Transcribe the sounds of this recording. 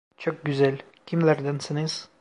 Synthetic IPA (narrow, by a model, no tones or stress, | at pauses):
t͡ʃʰok̚ɟyzælʲ | cʲʰimlʲæɾd̪ænsiniz̥